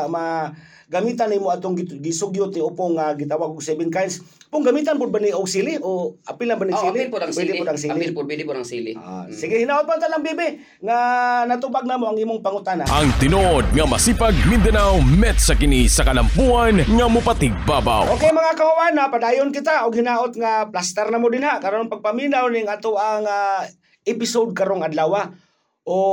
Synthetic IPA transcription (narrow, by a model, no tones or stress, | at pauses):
ma | ɡamit̪animʊat̪ʊŋɡɡɪsʊɡjʊt̪̚nɪʊpʊŋːaɡɪt̪awaɡʊɡsɛbɪnkajns | pʊŋɡamit̪anpʊd̪̚banɪʔʊɡsilɪoapɪlambanɪsilɪbiɪpʊd̪aŋs̬iːlɪpʊasilɪa̰sɪɡɪhɪnaʊt̪̚pat̪anlaŋbibɪ | ŋanat̪ubaɡ̚naːmoaŋiːmʊŋpaŋʊt̪anaʔa̰ŋt̪ɪnoʔod̪̚ŋamasipaɡ̚mɪnd̪anawmɛt̪̚sakɪnisakalampuanŋamʊpat̪ɪɡ̚baba̰wokejmɐŋakamawanapadaːjʊnkɪt̪aʔʊɡhɪnaːʔʊt̪̚ŋaplast̪ɛɾnamod̪ɪnhakaɾonpaɡ̚pamilawnɪŋat̪oʔaŋa | ɪpɪsod̪̚kaɾoŋad̪lawa | ʔo